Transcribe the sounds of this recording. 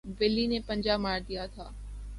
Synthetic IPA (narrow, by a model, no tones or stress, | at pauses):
ʋɪlːinẽpɐ̃ɲd͡ʑaːmaːɾd̪ijat̪ʰaː